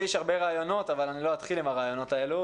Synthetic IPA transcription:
ɛʃhaʁbe̞ʁaːjo̞no̞t̪avalaniloat̪χilimaʁaːjo̞no̞tae̞lu

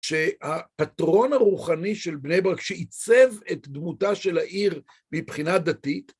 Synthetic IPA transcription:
ʃe̞hapatʁo̞naʁuχaniʃelbnejbaʁakʃeit͡sevetd̪mutaʃe̞laʔiʁ | mipχinad̪atit

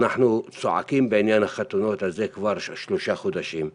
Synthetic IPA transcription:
naħnut͡soʕa̰kimbeʕinjanhaχat̪uno̞t̪hazekvaʁʃloʃaχod̪aʃim

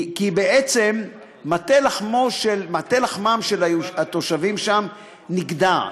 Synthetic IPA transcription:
kibeʔet͡se̞mː | at̪elaχmoʃelmat̪elaχmamʃelaat̪o̞ʃavimʃam | niɡd̪a

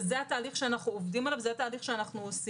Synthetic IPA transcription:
zeataːliχʃeanaχnuovdimalavzeataːliχʃeanaχnuos

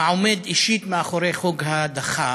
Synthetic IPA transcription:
ʕomed̪iʃit̪meaχoɾejχuɡɦad̪aχa

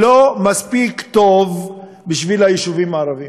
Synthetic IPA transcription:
lomaspikt̪o̞v | biʃvilhajiʃuvimaːʁavi

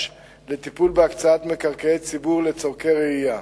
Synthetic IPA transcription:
le̞t̪ipulbeakt͡saat̪me̞kaʁkeet͡sibuʁle̞t͡soʁkeʁeija

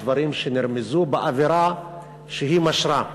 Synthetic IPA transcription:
vaɾimʃeniɾmezubeʔaveɾa | ʃeɦimaʃɾa

